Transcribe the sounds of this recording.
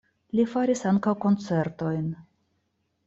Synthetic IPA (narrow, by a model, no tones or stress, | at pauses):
lifaɾisaŋkawko̞nt͡se̞ɾt̪o̞jn